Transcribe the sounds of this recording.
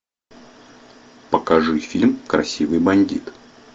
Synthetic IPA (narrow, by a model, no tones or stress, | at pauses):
pəkɐʐɨfʲilʲmkɾɐ̰sʲivɨjbɐnʲdʲit̪